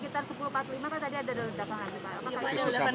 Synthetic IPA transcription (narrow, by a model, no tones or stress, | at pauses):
kit̪arsəpulupat̪limakat̪adiadadaladapaŋankipaamaakaaa